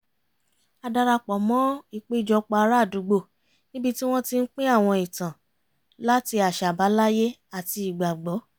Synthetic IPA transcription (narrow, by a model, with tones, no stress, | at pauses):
a˧da˧ɾa˧k͡pɔ˨mɔ̃˦i˦˨k͡pe˦d͡ʒɔ˧˦k͡pa˧ɾa˦˨du˨˦ɡ͡bo˦˨ | nĩ˦bi˦ti˦w̃ɔ̃˦ti˧n̩˦k͡pẽ˦a˦˨w̃ɔ̃˧i˨tã˨ | la˦ti˧a˨ʃa˨ba˨˦la˦je˦ | a˦˨ti˧i˨ɡ͡ba˨ɡ͡bɔ˨˦